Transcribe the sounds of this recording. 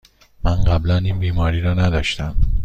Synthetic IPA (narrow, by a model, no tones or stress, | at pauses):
mænɢæblæniːnbiːmɒːɾiːɾɒːnæd̪ɒːʃt̪æm